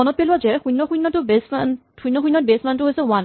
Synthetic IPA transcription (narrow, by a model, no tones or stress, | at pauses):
ɔnɔt̚pelʊwazɛxujnːɔxujnːɔtʊbesan | hujnːɔxujnːɔt̚besmantʊɦojsɛwan